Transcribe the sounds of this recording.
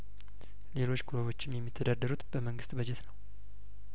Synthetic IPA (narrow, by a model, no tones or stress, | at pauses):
le̞lo̞t͡ʃːkʰuɾoβo̞t͡ʃːɪmjɛmːit̪ʰːəd̪ad̪ːəɾut̪bəməŋɡɨst̪bəd͡ʒɛt̪nəw